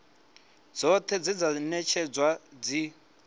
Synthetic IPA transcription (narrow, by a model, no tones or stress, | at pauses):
d͡zɔt̪ʰɛd͡zid͡zanɛt͡ʃʰɛd͡zwad͡zi